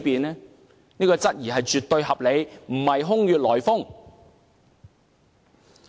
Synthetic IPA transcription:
piː˨nlɛː˥ | niː˥kɔː˧t͡sɐ˥t̚jiː˨˩ɦɐ˨jt͡ʃyː˨t̪ːɵ˧ɥɦɐ˨p̚le˨˧jm̩˨˩hɐ˨jɦʊ˥ŋjyː˨t̚lɔː˨˩jfʊ˥ŋ

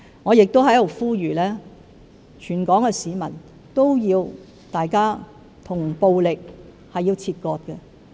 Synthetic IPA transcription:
ŋɔː˨˧jɪ˨k̚t̪o˥whɐ˨˥jlo˨˩wfuː˥jyː˨˩lɛː˥ | t͡ʃʰyː˨˩nkɔː˨˥ŋɛ˧siː˨˧mɐ˨˩n | t̪o˥wjiː˧w | t̪aː˨jkaː˥ | t̪ʰʊ˨˩ŋpo˧wlɪ˨k̚ | hɐ˨jːi˧wt͡sʰiː˧t̚kɔː˧t̚kɛ˧

